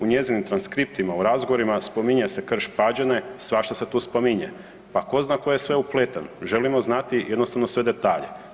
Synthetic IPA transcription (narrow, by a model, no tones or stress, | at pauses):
uɲe̞zinimt̪ɾanskɾip̚t̪imauɾazɡoʋoɾimaspo̞miɲese̞kr̩ʃpad͡ʑenesʋaʃt̪ose̞t̪uːspomiɲḛ | pako̞znaːkojesʋe̞uplet̪anʒe̞limo̞znat̪ijed̪nost̪aʋnosʋe̞d̪e̞t̪aːʎḛ